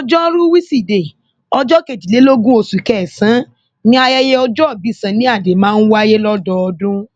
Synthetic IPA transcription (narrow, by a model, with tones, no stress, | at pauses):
ɔ˧d͡ʒɔ˦ɾu˦wi˦si˦˨de˨ | ɔ˧d͡ʒɔ˦ke˨ti˨le˨˦lo˦ɡũ˦o˧su˨kɛ˦˨sã˨˦ | nĩ˦a˧jɛ˧je˦ɔ˧d͡ʒɔ˦ɔ˦˨bi˨˦˨sã˨˦nĩ˦a˦˨de˨˦mãː˦˧n̩˦wa˦je˦lɔ˦dɔ˧ɔ˧dũ˦